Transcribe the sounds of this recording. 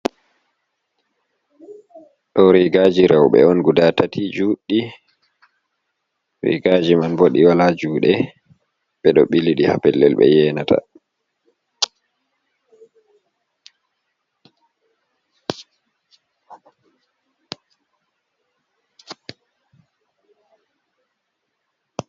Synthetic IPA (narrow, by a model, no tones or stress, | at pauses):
ɗɔɾiɡad͡ʒiɾawɓɛ̰ɔnɡudatatʰid͡ʒuɗːi | ɾḭɡad͡ʒimanboɗiwalad͡ʒuːɗɛ | ɓɛɗɔɓiliɗiha̰pɛlːɛlɓɛ̰jɛːnatʰa̰